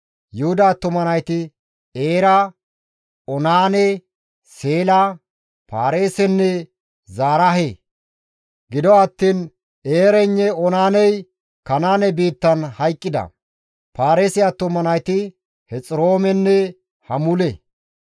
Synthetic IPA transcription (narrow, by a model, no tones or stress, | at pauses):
jʊhʊd̪aːt̪ːʊmɐnɐjt̪ɪ | eːɾɐ | ɔnaːnɛ | seːlɐ | paːɾe̞ːsɛnːɛ | zaːɾɐɦe | ɡɪd̪ɔɐt̪ːiːn | eːɾɛnːɛɔnaːnɛj | kɐnaːnɛbiːt̪ːɐnhɐjkʼːɪd̪ɐ̰ | paːɾeːsɪjat̪ːʊmɐnɐjt̪ɪ | hɛt͡sʼɪɾo̞ːmɛnːɛ | hɐmʊlɛ